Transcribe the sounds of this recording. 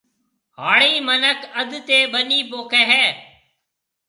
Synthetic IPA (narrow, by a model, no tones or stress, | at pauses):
haːɭiːmənəkəd̪t̪eːɓəniːpoːkeɦɛː